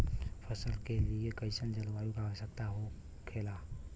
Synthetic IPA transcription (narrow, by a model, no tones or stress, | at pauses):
pʰəsəlkeliekəɪsənd͡ʒəlʋaːjukaesək̚t̪aɦo | kʰela